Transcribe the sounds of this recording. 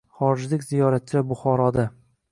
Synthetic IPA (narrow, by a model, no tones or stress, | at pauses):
χɒɾɪd͡ʒlɪkʲzijɒɾat̪̚t͡ʃʰabʊχɒɾɒd̪a